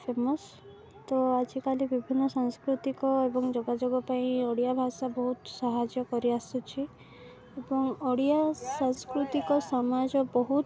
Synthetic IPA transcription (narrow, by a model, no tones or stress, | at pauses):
pʰemɔs | t̪ɔad͡ʒikalibibʱinːɔsaŋskɾut̪ikɔebɔŋd͡ʒɔɡad͡ʒoɡɔpaĩɔɽijabʱasabɔɦut̪sɔɦad͡ʒjɔkɔɾiasut͡ʃʰi | ebɔŋɔɽijasaŋskɾut̪ikɔsɔmad͡ʒɔbɔɦut̪